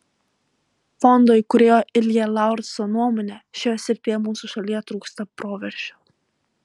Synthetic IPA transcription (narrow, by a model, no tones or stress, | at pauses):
fɔnd̪oɪkʊɾʲeːjoːʔɪlʲjʲɛlˠɑˑʊɾt̪sonuɔmɔːnʲɛʃʲɛjoːsʲɪɾʲpʲeːjɛmuːsuˑʃɐlʲiːjɛt̪ɾuːkst̪ɐpɾoːʋʲɛɾʲʃʲo